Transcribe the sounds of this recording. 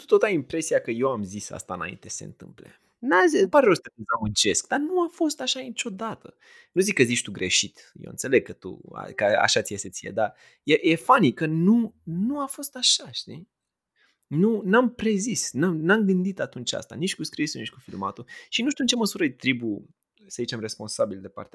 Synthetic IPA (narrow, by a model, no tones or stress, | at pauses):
t̪u̥t̪ot̪ajimpɾe̞siakəje̞wamzisa̰st̪aɨ̰na̰ḭnt̪ese̞̰nt̪ɨ̰mplḛ | nazipaɾeɾost̪əɨnzamɨnt͡ʃe̞skd̪anuafo̞st̪aʃanit͡ʃʲo̞d̪at̪ə̰ | nuzikːəzit͡ʃt̪uɡɾḛʃit̪ | jḛwɨ̰nt̪se̞leɡ̚kət̪ṵa̰kəa̰ʃat̪sijeset̪sijḛd̪a | jeje̞fanikənunuafo̞st̪aʃaʃt̪i | nunampɾe̞zisnamnamɡɨnd̪it̪at̪unt͡ʃʲa̰st̪a̰nit͡ʃʲkuskɾisunit͡ʃʲkufilma̰t̪uʃinuʃt̪unt͡ʃeməsuɾəjt̪ɾibu | səzit͡ʃe̞mre̞spo̞nsabild̪epa̰rt̪ea